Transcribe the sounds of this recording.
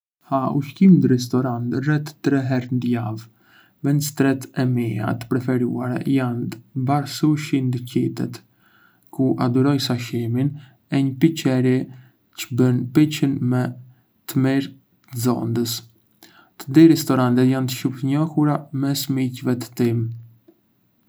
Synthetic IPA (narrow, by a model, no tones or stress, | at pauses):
hauʃkimd̪əɾɛs̬t̪ɔɾant̪rɛt̪t̪ːɾɛɦɛɾnd̪jav | vɛnst̪ɾɛt̪ɛmia̰t̪ə̥pɾɛfɛɾuaɾɛ̰jant̪baɾsuʃind̪əcit̪ɛ̰t̪ | kuʔa̰d̪uɾɔjsaʃimin | ɛɲəpit͡ʃɛɾi | t͡ʃə̥bənpit͡ɕənmɛ | t̪əmiɾ | əzɔ̰nd̪əs | t̪əd̪iɾɛst̪ɔɾant̪ɛt̪jant̪ə̥ʃupt̪əɲɔhuɾamɛsmicvɛt̪ə̥t̪im